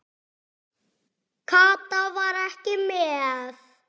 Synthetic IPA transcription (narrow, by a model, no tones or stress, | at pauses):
kʰaːt̪avaɾɛhcɪmɛθ